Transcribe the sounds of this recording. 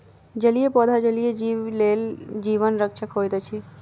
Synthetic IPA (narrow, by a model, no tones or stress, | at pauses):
d͡ʒəlijepɔd̪ʱad͡ʒəlijed͡ʒileld͡ʒiːʋənɾəkʃʰəkɦojt̪et͡ʃʰi